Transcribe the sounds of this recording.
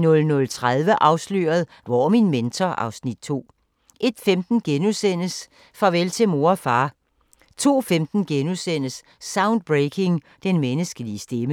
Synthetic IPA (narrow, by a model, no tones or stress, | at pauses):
nɔ̽lnɔ̽lt͡sʰʁað̞ˠʋəʔɑ̈ʊslø̰ːɐð̞ˠ | ʋɒminment͡sʰɒʔɑ̈ʊsnid̥̚t͡sʰo̝̰ː | ʔe̝d̥femd̥n̩ɡ̥enusen̰əs | fʁɑ̈ʋelt͡sʰe̝mo̝ːɐfɑ̈ː | t͡sʰo̝̰ːfemd̥n̩ɡ̥enusen̰əsː | ɑ̈ʊnd̥̚b̥ʁekʰe̝ŋ | d̥enmenəsɡ̥əliəsd̥emə